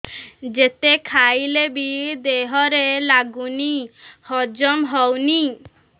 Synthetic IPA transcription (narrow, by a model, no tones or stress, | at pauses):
d͡ʒet̪ekʰajlebid̪eɦɔɾelaɡunihɔd͡ʒɔmɦɔwni